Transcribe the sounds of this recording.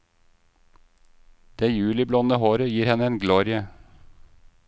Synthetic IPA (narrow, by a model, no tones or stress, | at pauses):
d̪̥eːjʉːlɪblɔnəhoːɾəjiːɾhɛnəeːnɡlɔːɾɪə